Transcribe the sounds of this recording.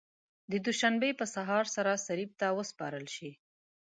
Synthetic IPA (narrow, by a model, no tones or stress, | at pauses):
d̪əd̪uʃanbepəsaɦɑɾsaɾasaɾib̚t̪awəspɑɾəlʃi